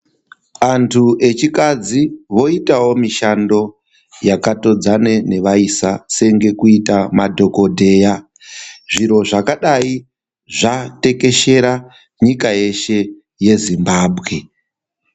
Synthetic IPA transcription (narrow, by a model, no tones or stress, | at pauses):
antʰuʔe̞t͡ʃikad͡ziʋo̞itawo̞miʃando̞ | jakato̞d͡zane̞ne̞ʋaisase̞ŋɡe̞kuitamadʱo̞ko̞dʱe̞ːja | ʐiɾo̞ʐakaɗai | ʐate̞ke̞ʃe̞ɾa | ɲikaje̞ʃe̞ | je̞zimbaːbʱɣe̞